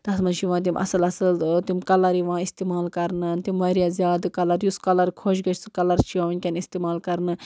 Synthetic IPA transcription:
t̪ɐsmɐnʃʰiʋãːt̪̬imʲʔɐ̰sɨlɐsɨlt̪imʲkɐlɐɾiʋãːist̪iːmaːlkɐɾnɨnt̪imʲʋɐɾjaːzjaːd̪kɐlɐɾjuskɐlɐɾkʰoːʃɡɐt͡ʃʰʲsɨkɐlɐɾt͡ʃʰiãːʋɐnʲkʲɐnist̪iːmaːlkɐɾnɨ

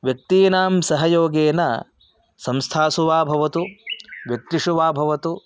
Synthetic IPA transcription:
ʋjɐk̚t̪iːnaːmsɐɦɐjoːɡeːnɐ̰ | sɐmst̪ʰaːsuʋaːbʱɐʋɐt̪uʋjɐk̚t̪iʂuʋaːbʱɐʋɐt̪u

